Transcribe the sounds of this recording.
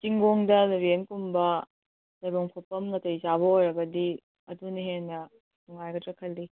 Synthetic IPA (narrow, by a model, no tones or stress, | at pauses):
kiŋɡoŋdɐlɐbenkumbɐ | lɐjboŋpʰopːɐmŋɐtɐjzaβɐojɾɐbɐdi | ɐduniɦenːɐ | nuŋajɡɐtɾɐkʰɐlːi